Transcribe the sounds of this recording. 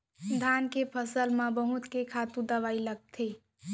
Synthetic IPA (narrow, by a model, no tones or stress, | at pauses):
d̪ʱankepʰəsəlmãbəɦut̪kekʰat̪ũd̪əʋailəɡ̚t̪ʰi